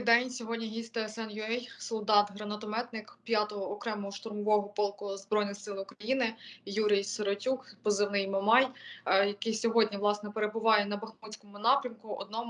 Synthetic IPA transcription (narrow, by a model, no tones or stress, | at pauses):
d̪ɛnʲsʲɔɦɔdʲnʲiɦʲisʲt̪ɛɛsɛnjʊɛjsɔlˠd̪ɑt̪ɦɾɐnɐt̪ɔmɛt̪nɪkpʲjɑt̪ɔɦɔːkɾɛmɔɦɔʃt̪ʊrmɔʋɔɦɔpɔlˠkʊzbɾɔjnɪxsɪlˠʊkɾɐjinɪjuɾʲijsɔɾɔtʲukpɔzɪwnɪjmɔmɑjjɐkɪjsʲɔɦɔdʲnʲiʋlˠɑsnɛpeɾebʊʋɑjɛnɐbɐxmut͡sʲkɔmʊnɑpɾʲɐmkʊɔ̰d̪̚nɔm